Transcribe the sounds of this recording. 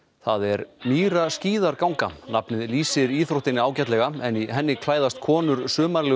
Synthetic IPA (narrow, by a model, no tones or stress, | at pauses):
θaðɛɾmiːɾasciːðaɾkawŋkanapnɪðliːsɪɾiːθɾowht̪ɪnːɪaːwcat̪lɛɣaɛniɦɛnːɪkʰlaːjðast̪̚kʰɔːnʏɾ̥sʏːmaɾlɛ